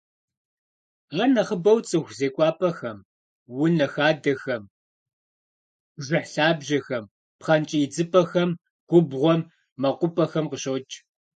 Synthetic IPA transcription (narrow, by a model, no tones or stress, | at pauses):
ʁɐnɐχəbɐwt͡sʼɨxʷzeːkʷʼɑːpʰʼɐxɐm | wʊnɐxaːdɐxɐm | ʒʷɪħɬaːbʒɐxɐm | pχɐnt͡ʃʼiːd͡zɨpʰʼɐxɐm | ɡ̥ʷʊbʁʷɔmː | ɐqʷʊpʼɐxɐmqəɕot͡ʃʼ